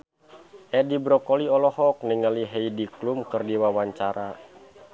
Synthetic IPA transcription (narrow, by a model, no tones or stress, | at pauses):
ʔɛdibɾɔkɔliɔlɔhɔk̚niŋaliɦɛidiklumkɨrdiwawaɲt͡ʃaɾa